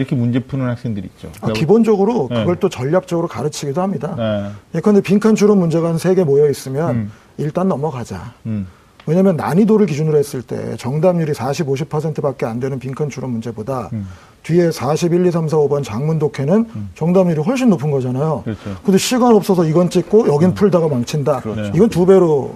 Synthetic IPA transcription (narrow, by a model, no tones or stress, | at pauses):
iɾʌkʰemund͡ʑepʰunɯnhak̚s͈eŋdɯɾit̚t͡ɕ͈o̰akibond͡ʑʌɡɯɾokɯɡʌɭt͈ot͡ɕʌʎːak̚t͡ɕ͈ʌɡɯɾokaɾɯt͡ɕʰiɡidohamɲidaekʰɯʌndepiŋkʰant͡ɕʰuɾʌmːund͡ʑe̞ɡanɯnsʰe̞ɡe̞mojʌis͈ɯmjʌn | iɭt͈annʌmʌkad͡ʑa̰ | we̞ɲamjʌnːa̰ɲidoɾɯɭk̬id͡ʑunɯɾoɦes͈ɯɭt͈e̞̰t͡ɕʌŋdamɲuɾisʰaɕʰiboɕ̬ʰipʰʌs̬ʰe̞ntʰɯbak̚k͈e̞andwe̞nɯnpiŋkʰant͡ɕʰuɾʌmund͡ʑe̞boda | tɥie̞sʰaɕʰibiʎːis̬ʰams̬ʰaobʌnt͡ɕaŋmundokʰe̞nɯnt͡ɕʌŋdamɲuɾiɦʌɭɕ̬͈ʰinːopʰɯnɡʌd͡ʑanajokɯndeɕʰiɡanʌp̚s͈ʌsʰʌiɡʌnt͡ɕ͈ik̚k͈ojʌɡinpʰuɭdaɡamaŋt͡ɕʰindaiɡʌntube̞ɾo